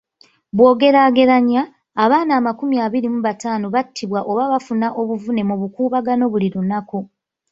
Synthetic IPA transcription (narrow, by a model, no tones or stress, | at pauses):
βwo̞ːɡe̞ɾaːɡe̞ɾaɲaː | βaːnaːmakumjaːβiɾimuβataːnoβatʰːiβwaʔo̞βaβafunaʔo̞βuvune̞muβukuːβaɡano̞βuliɾunaku